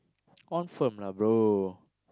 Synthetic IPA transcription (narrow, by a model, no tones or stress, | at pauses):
ɔnfəmlabɾo